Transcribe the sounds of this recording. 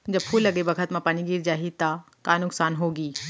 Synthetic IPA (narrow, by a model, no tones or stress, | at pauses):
d͡ʑɐbpʰuːlːɐɡebɐkʰət̪mãpɐniɡiːɾd͡ʒaːɦit̪a | kaːnʊksaːnɦoːɡiː